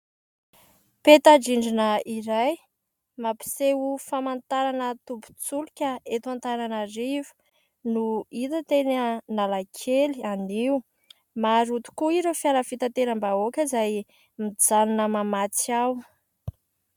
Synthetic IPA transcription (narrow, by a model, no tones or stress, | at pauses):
pet̪ad͡ʒiɳɖ͡ʐinəiɾaj | mapi̥seufamant̪aɾanət̪upu̥t͡sulukʲəet̪uant̪aɾanaɾivu̥ | nuit̪ət̪enənalakʰelianiu | maɾut̪u̥kuiɾefjaləfit̪at̪eɾəmbaokʲəzaj | mid͡zanunəmamat͡siaw